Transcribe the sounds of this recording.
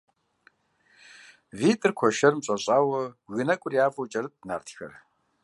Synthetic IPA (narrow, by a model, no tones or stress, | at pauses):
viːtʼɨrkʷʰɔʃɐrmɕʼɐɕʼaːwɐɣɨnɐkʷʼʊrjaːfʼɐwt͡ʃʼɐrɨtʼna̰ːrtʰxɐ̰r